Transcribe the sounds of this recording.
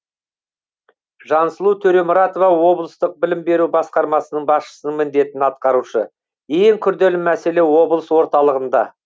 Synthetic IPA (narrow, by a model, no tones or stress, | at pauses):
ʒɑnsəlˠut̪ʰɵɾe̞mʊɾɑt̪ovɑwo̞blˠəst̪əq̚bɪlɪmbe̞ɾubɑsqɑɾmɑsənəɴbɑsʃə̥sənəɴmɪnd̪e̞t̪ɪnɑt̪̚qɑɾuʃə | e̞ŋkʲʰʏɾd̪e̞lɪmæse̞le̞wo̞blˠəswo̞ɾt̪ɑlˠəʁənd̪ɑ